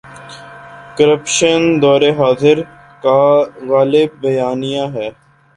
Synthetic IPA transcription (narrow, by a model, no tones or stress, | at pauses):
kəɾəpʃənd̪ɔːɾeɦaːzɪɾ | kaɣaːlɪbːɐjaːnijaɦɛː